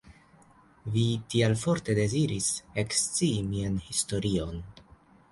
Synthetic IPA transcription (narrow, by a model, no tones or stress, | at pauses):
vitialfo̞ɾte̞de̞ziɾise̞kst͡siːmianhisto̞ɾio̞n